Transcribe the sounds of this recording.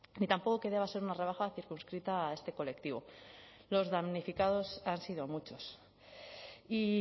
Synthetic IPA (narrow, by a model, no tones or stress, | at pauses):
nit̪ampo̞ko̞ke̞ðe̞β̞ase̞ɾunare̞β̞axaθiɾkunskɾit̪ae̞st̪e̞ko̞le̞kt̪iβ̞o̞ | lo̞zðamnifikað̞o̞sansiðoamut͡ʃo̞s | i